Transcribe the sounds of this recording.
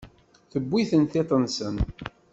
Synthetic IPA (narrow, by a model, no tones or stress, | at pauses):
θəbːiθənt̪it̪ˤənsən